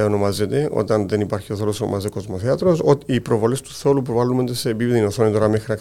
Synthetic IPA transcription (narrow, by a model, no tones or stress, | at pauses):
eonomazet̪eʔo̰t̪ɐnðenipaɾçioθo̞losono̰mazekozmoθeɐt̪ɾosoipɾovolest̪u̥θolupɾovalumend̪esebivðinoθonet̪oɾɐmexɾiak